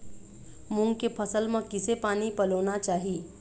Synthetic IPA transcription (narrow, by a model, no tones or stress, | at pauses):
mʊ̃ŋɡkepʰəsəlmãkɪsepaːnipɐloːnat͡ʃaːɦi